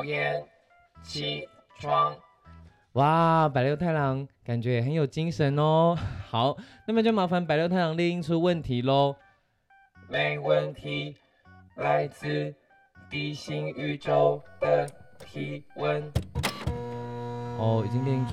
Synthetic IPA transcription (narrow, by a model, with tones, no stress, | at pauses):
jɛ˥˩n | t͡ɕʰi˥ | ʈ͡ʂʰwɑ˥ŋ | wa˥˩pa˨˩ɪljo˥˧t̪ʰa˥˩ɪlɑ˨˧˥ŋka˨˩nt͡ɕɥɛ˧˥jɛ˨˩ə˧˦njo˨˩ʊt͡ɕi˥ŋʂə˨˦nlɔ˧˩xa˨˦ʊna˥˩mə˨t͡ɕjo˥˩ma˧˥fa˧˥npa˨˩ɪljo˥˧ʊt̪ʰa˥˩ɪɑ˧˥ŋli˥˧ŋi˥ŋt͡sʰu˥wə˥˩nt̪ʰi˨˦lɔ˧ | me˨˩ɪwə˥˩nt̪ʰi˨˧˦ | la˥ɪt͡sɹ̩˥˧ | t̪i˥˩ɕi˥ŋy˧˩ʈ͡ʂo˦ʊd̪ə˨t̪ʰi˧˥wə˦˥n | ʔɔ˥˩i˨˩t͡ɕi˧˥ŋli˥˧˨i˥ŋ